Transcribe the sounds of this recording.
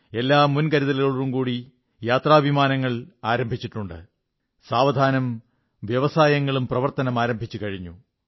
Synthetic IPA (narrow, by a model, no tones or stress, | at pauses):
e̞lːaːmunkɐɾiðɐlɣɐɭurumkuːɽi | jaːt̪raːbʱimaːnɐŋːɐɭaːɾɐmbʱit͡ɕːiʈːuɳɖɨ̰ | saːʋɐd̪ʱaːnɐm | ʋjɐʋɐsaːjɐŋːɐɭumprɐʋɐrt̪ɐnɐmaːɾɐmbʱit͡ɕːukɐɻiɲːu